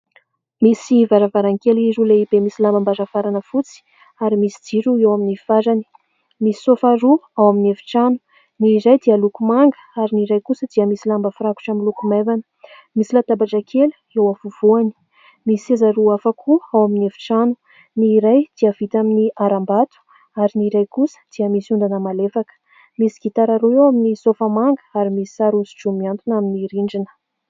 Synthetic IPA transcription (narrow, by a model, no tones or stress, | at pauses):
misivaɾavaɾaŋkelizuleibemisilambambazəfaɾanəfut͡si̥ | aɾimisi̥d͡ziɾuewaminifazani̥ | misi̥sofaɾuawaminevi̥ʈ͡ʂanu̥ | niɾajd̪ialukumaŋɡə̥aɾiniɾajkusəd̪iəmisilambəfɾaku̥ʈ͡ʂamilukumevanə̥ | misilat̪abaʈ͡ʂakʰelu̥ewavuv̥uani̥ | misezaɾuafakʰuawaminefi̥ʈ͡ʂanu | niːɾajd̪̥iəv̥it̪aminiʔaɾambat̪u̥ | aɾiniɾajkusə̥d̪̥iəmisiund̪anəmalefakə̥ | misi̥ɡ̥it̪aɾaɾuewaminisofəmaŋɡə̥aɾimisi̥aɾuzi̥ʈ͡ʂumiant̪unaminiɾiɳɖ͡ʐinə̥